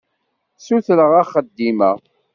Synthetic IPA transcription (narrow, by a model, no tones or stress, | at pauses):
suθləʁæχəd̪ːimæ̰